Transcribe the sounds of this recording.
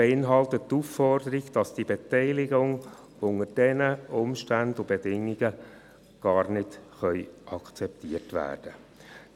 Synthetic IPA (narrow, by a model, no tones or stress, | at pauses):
eɪnɦɑltəttːuːfːɔrdəɾiɡd̥ɑsd̥ibɛtɛɪlɪɡʊŋ | ʊŋəd̥ɛnəʊmʃtændʊbedɪŋːiɡə | ɡ̥ɑːrnɪdχœʏʔɑkt͡sɛp̚tiərtʋæ̰ːrd̥ə